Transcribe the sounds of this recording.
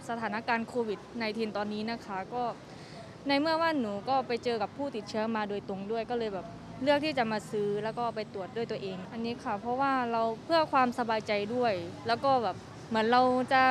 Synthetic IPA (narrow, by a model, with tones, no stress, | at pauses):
sa˧t̪ʰaː˩˦na˦˧˥kaː˧nkʰoː˧wi˨˩t̪̚na˧jt̪ʰiː˧nt̪ɔː˧nːiː˦˥na˦˥kʰa˦˥kɔː˥˩ | na˧jmɯ˥˩ɐwaː˥˩˨nːuː˩˦kɔː˥˩pa˧jt͡ɕɤː˧ka˨˩pʰːuː˥˩t̪i˨˩t̪̚t͡ɕʰɯ˦˥ɐmaː˧doː˧jt̪o˧ŋdu˥˩əjkɔː˥˩lɤː˧jbɛː˨˩p̚ | lɯ˥˩ək̪̚ʰiː˥˩t͡ɕa˨˩maː˧sɯː˦˥lɛː˦˥wkɔː˥˩pa˧jt̪u˨˩ət̪̚du˥˩əjt̪u˧əʔeː˧ŋʔa˧nːiː˦˥kʰa˥˩pʰɔ˦˥waː˥˩ɾa˧wpʰɯ˥˩ɐkʰwaː˧msa˧baː˧jt͡ɕa˧jdu˥˩əjlɛː˦˥wkɔː˥˩bɛː˨˩p̚ | mɯ˩˦ənɾa˧wt͡ɕa˨˩